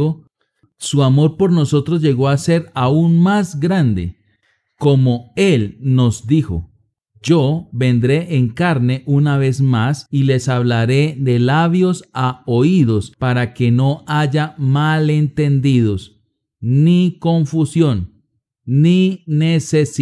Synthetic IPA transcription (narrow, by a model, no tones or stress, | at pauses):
o | suamo̞ɾpo̞ɾno̞so̞t̪ɾoz̬d͡ʒe̞ɣo̞ase̞ɾaunmasɡɾand̪e̞̰ | ko̞mo̞e̞lno̞zd̪ixo̰ | d͡ʒoβe̞nd̪ɾe̞ʔːŋkaɾne̞ʔunaβe̞smasile̞saβlaɾe̞ðe̞laβjo̞saoiðo̞spaɾake̞no̞aʝamale̞nt̪e̞nd̪iðo̞s | niko̞ɱfusjo̞nː | ine̞ses